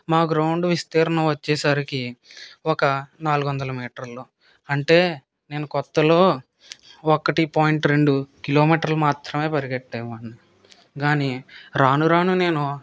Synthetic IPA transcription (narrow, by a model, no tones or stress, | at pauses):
maːɡɾɐwuɳɖʋist̪eːɾɐnɐmʋɐt͡ʃːɛːsaɾikiɔkɐnaːluɡʋɐnd̪ɐlɐmiːʈɐɾloː | ɐɳʈe̞ː | ne̞ːnukɔt̪ːɐlo̞ː | ɔkɐʈipaːjiɳʈɾeɳɖukilo̞ːmiːʈɐɾlumaːt̪ɾɐme̞ːpɐɾiɡɐʈːeːmɐɳːi | ɡaːniɾaːnuɾaːnune̞ːnu